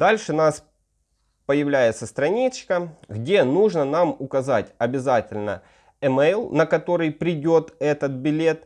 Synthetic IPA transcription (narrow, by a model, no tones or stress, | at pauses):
d̪alʲʂɨnas | pəjɪvlʲæjɪt̪səst̪ɾɐnʲit͡ɕkəɣdʲe̞nuʐnənamʊkɐzatʲɐbʲɪzatʲɪlʲnə̰ | ɛmɛjlˠnəkɐt̪o̞ɾɨjpɾʲɪdʲo̞t̪ɛt̪ət̪̚bʲɪlʲe̞t̪